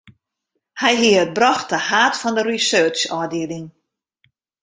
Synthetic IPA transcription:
hɛjɦiəət̚brɔxtəhaːtfɔndərisøːt͡ʃɔːdɪəlɪŋ

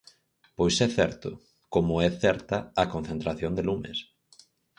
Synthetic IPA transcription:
pojsɛθɛɾt̪ʊ̰ | komʊɛθɛɾt̪ɐːkon̟θent̪ɾaθjond̪elumḛs

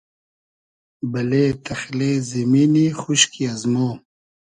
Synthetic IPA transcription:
bɐleːt̪ʰɐxleːziminixuʃkʰiazmo

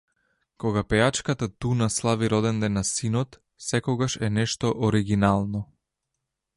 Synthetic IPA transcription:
kɔɡapɛjat͡ʃkat̪at̪unaslˠaviɾɔd̪ɛnd̪ɛnːasinɔt̪ | sɛkɔɡaʃɛnɛʃt̪ɔʔɔɾiɡinalˠnɔ

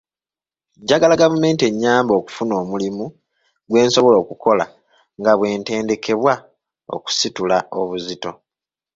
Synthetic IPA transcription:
ɟaɡalaɡavume̞ːntie̞ɲːaːmbo̞ːku̥funo̞ːmulimu | ɡwe̞ːnso̞βo̞lo̞ːkuko̞la̰ | ŋɡaβwe̞ːnte̞ːnde̞kʰe̞βwa | o̰ku̥situlao̞βuzito̞

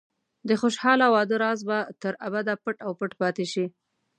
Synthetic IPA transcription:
d̪əxoʃhɑlawɑd̪əɾɑzbat̪əɾabad̪apəʈawpəʈpɑt̪eʃi

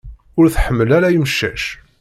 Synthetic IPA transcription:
ʊɾθħəmːəlæɾæjimʃːæʃ

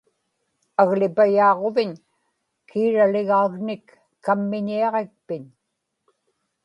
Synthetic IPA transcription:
aɣlɪpajɑːʁo̞vɪɲ | kʰiːɻalɪɣaːɣnɪkː | amːɪɲiɑʁe̞k̚pɪɲ

